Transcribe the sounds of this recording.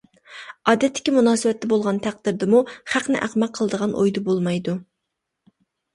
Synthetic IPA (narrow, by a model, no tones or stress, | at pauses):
ɑːd̪ɛt̪ʰːɪ̥kʲimunɑːsɨwɛt̪ːɛbolˠʁɑnt̪ʰæq̚d̪ɪɾd̪ɪmuχæqnɪ̰ʔæ̰qmɛqʰːəlˠəd̪əʁɑnʔo̰jd̪ubolˠmɑjd̪u